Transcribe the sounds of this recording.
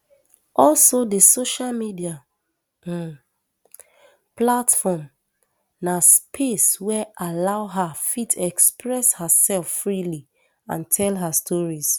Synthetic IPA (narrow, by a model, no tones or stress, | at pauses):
ʔɔlsodəsoʃalmidia | platfɔm | naspʰeswɛʔalaʊɦafitʰɛkspɹɛshasɛlffɹili | ã̰ntʰɛlɦastʰɔɹis